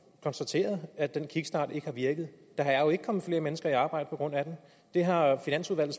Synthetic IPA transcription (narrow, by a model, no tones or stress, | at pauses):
kʰɒ̽nsd̥æt͡sʰe̝̰ːɐð̞ˠæd̥enkʰiɡ̥sd̥ɑ̰̈ːd̥e̝ɡ̥əhɑ̈ʋiɐɡ̥ð̩ˠ | d̥ɑ̈ɦɑ̈joe̝ɡ̥ə̥kʰɒ̽mð̩ˠfle̝ːɐmenəsɡ̥ɐiɑ̈ːb̥ɑ̈ɪ̰d̥əpɒ̥ʁɔ̽n̰æd̥em | d̥e̝ɦɑ̈finæn̰suðˠʋæl̰̩ˠ